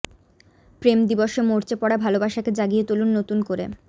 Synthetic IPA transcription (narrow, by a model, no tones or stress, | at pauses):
pɾemd̪iboʃemoɾt͡ɕepɔɽabʱalobaʃaked͡ʑaɡijet̪ulunːot̪unkoɾḛ